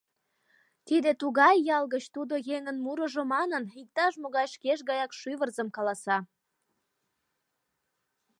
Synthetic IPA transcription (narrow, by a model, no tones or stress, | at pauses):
t̪id̪et̪uɣɑjːɑlɣət͡ɕt̪ud̪ojeŋənmuɾə̆ʒomɑnənik̚t̪ɑʃ̬moɣɑjʃkeʃɣɑjɑkʃyβərzəmkɑlɑsɑ